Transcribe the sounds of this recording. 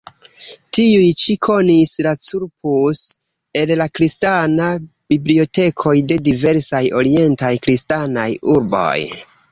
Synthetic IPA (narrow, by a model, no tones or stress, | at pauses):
tiujt͡ʃikʰo̞nislat͡suɾpus | e̞llakɾistana | b̥iblio̞te̞kʰo̞jde̞dive̞ɾsajo̞ɾie̞ntajkɾistanajuɾbo̞̰j